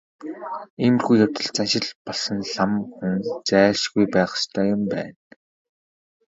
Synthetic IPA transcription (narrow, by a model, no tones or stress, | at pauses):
iːmɘ̆rxujawt̪ə̆ɮt͡sanʃɪ̆ɮpɔɮsɞ̆nɮamxunst͡sæːʃɡujpæːχ̆st̪ʰœːjʊmpæ̰ːn